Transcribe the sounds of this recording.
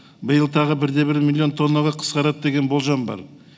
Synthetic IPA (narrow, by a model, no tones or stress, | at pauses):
bəjəlˠt̪ʰɑʁəbɪɾd̪e̞bɪɾmʲilʲˠːijo̞nt̪ʰo̞nːɑʁɑqʰə̥sqɑɾɑt̪̚d̪e̞ɡʲe̞nbo̞lˠʒɑmbɑ̰ɾ